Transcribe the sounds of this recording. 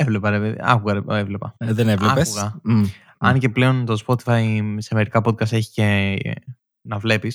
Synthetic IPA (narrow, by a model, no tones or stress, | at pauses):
evlepɐɾepeð̰ɐ̰kuɣɐɾeevle̞pɐðenevleɐpesuɣɐ | ɐnce̞ple̞o̞nt̪o̞spo̞t̪i̥fɐjsemeɾikɐpo̞t̪̚kɐst̪eçi̥ce | nɐvle̞pis